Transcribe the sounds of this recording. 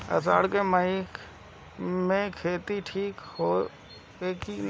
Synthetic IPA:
ə̰sa̰ːɽkeməi | mẽkʰeːt̪iʈʰiːkhoː | eːki

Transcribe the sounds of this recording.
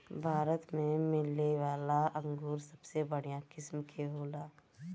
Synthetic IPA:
bʱaːɾət̪mẽmɪlːeʋaːlaɐ̃ŋɡuːɾsɐbsebəɽ̤ijakɪsmkʰeɦoːlaː

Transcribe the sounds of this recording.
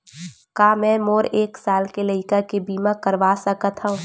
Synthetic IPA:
kaːmɛ̃ːmoːɾeːksaːlkelɐɪkakebiːmãkəɾʋaːsɐkat̪ʰɦaũ

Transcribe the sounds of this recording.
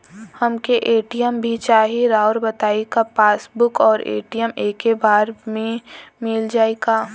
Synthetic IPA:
hɐmkeʔeːʈijəmbʱit͡ʃaːɦeɾaːʊɾbɐt̪aːekapaːsbʊkɔːɾḛːʈijəmeːkebaːɾmẽmɪld͡ʒaːeːɡaː

